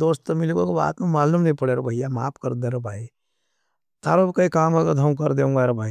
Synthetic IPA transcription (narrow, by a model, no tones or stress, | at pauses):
oːst̪ɐmɪluɡokoba̰ːt̪mẽmaːlumnɐĩpɐɽeːɾobʱɐijama̰ːpkɐɾd̪ẽːɾobʱaːi | t̪aːɾokɐikaːmɐɡəd̪ʱɐmkɐɾd̪eũːŋɡaɾobʱaːi